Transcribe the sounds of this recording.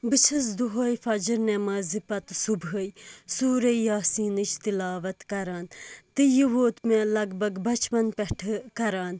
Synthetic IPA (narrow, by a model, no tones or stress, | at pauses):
bɨt͡ʃʰɐs̬d̪uɦɐːjfɐd͡ʒiɾnemɐːzipɐt̪subɦəjsuːɾɐjjaːsiːnɨt͡ʃʰt̪ilaːʋɐt̪kɐɾaːnt̪ɨjiʋoːt̪mẽlɐɡbɐɡbɐt͡ʃpɐnpɛʈʰkɐɾaːn